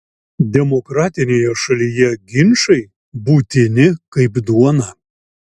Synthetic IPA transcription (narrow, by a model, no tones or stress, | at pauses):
d̪ʲɛmɔkɾɑːt̪ʲɪnʲeːjɛʃɐlʲijɛɡʲɪnʲʃɐɪ | buːt̪ʲɪnʲɪkɐɪpd̪uɔnɐ